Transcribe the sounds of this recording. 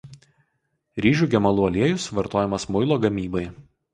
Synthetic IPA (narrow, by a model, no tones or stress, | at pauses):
ɾʲiːʒʲuːɡʲɛmɐlˠʊːɐlʲiɛjʊsʋɐɾt̪oːjɛmɐsmʊɪlˠoːɡɐmʲiːbɐɪ